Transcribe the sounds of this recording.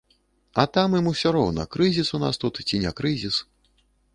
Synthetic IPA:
ɐt̪amɨmusʲɔɾɔwnɐ̰kɾɨzʲisuna̰st̪ut̪t͡sʲinʲɛkɾɨzʲis

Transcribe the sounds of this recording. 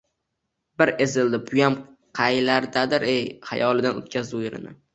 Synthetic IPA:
bɪɾe̞zɪld̪ɪbʰʊjam | qʰɑjlaɾd̪ad̪ɪɾejha̰jɒlˠɪd̪ano̰t̪̚kʲazʊjɪɾɪ̰nɪ̰

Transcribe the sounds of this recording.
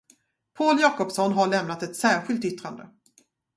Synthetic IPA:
pʰoːljɑːkɔpsɔnɦaɭɛmnat̪ɛt̪sæːɾɧɪlt̪ʏt̪ɾand̪ə̰

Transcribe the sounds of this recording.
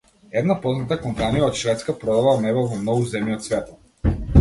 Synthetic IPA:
ɛd̪napɔznat̪akɔmpanijaɔt̪ʃvɛt̪skapɾɔd̪avlanɛbɛvɔmnɔɡuzɛmiɔt̪svɛt̪ɔ

